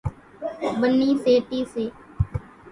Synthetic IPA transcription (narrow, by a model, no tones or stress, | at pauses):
bənːiːseːʈiːseː